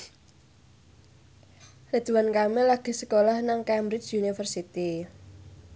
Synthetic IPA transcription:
rid̪̥uwankamelaɡ̥i̤sə̥kolahnaŋkɛmbɾɪt͡ʃunifərsit̪i

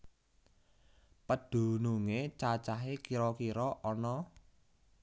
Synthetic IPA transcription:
pəd̪̥ṳnuŋet͡ʃat͡ʃaɦekiɾɔkiɾɔʔɔnɔ

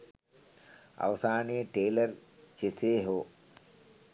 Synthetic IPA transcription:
ɐ̰ʋɐsaːnijɐʈeːlɐɾt͡ʃeseːɦo

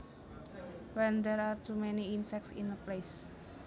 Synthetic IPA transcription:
wɛnd̪ɛɾart̪ʰumɛniinsɛk̚tsḭnəples

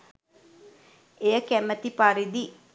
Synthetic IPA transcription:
ejəkæmət̪ipaɾid̪i

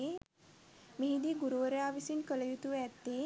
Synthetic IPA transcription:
meɦid̪iɡuɾuʋəɾəjaːʋisinkələjut̪uʋæt̪ːeː

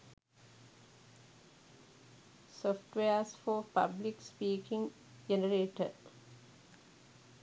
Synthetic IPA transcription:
sɔfʈʋeəsfoːpablikspiːkĩŋ | d͡ʒenəɾeːʈə̰

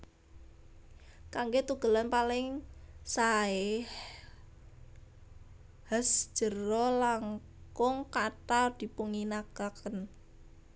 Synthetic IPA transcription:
kaŋɡet̪uɡ̥ə̤lanpalɪŋsaɪh | hasd̥ʒ̥ə̤rɔlaŋ | kʊŋkaʈad̪̥i̤puŋinaɡ̥akən

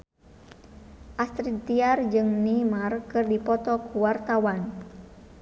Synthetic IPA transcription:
ʔast̪ɾid̪iard͡ʒɨŋnimarkɨrdipɔt̪ɔkuwart̪awan

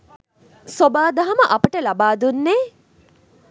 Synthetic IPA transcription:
sobaːd̪aɦaməʔɐpəʈəlabaːd̪unːeː

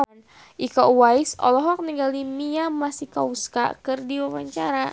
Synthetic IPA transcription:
n | ʔikaʔuwaisɔ̰lɔɦɔk̚niɡalimiamasikauska̰kɨrdiwawaɲt͡ʃaɾa

